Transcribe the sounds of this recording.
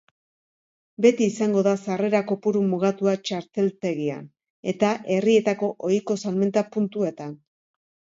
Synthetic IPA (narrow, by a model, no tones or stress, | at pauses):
be̞t̪iːsaŋɡo̞ðasare̞ɾako̞puɾumuɣ̞at̪uat͡ʃaɾt̪e̞lt̪e̞ɣia̰n | e̞t̪aʔe̞rie̞t̪ako̞ʔo̞jko̞salme̞nt̪apunt̪ue̞t̪an